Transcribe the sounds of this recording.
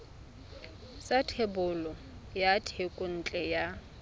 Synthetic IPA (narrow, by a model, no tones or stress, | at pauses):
satʰebʊlɔ | jatʰekʼʊn̩t͡ɬʼɛja